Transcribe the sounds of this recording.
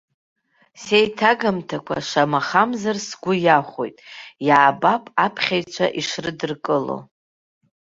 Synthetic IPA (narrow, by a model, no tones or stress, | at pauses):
sejtʰaɡamtʰakʷʰa̰ʂamaχamzarsɡʷʊjaχʷo̞̰jtʼjaːbapʼapʰχʲajt͡ʃʷʰa̰ʔiʂrɨdɨrkʼɨlo̞̰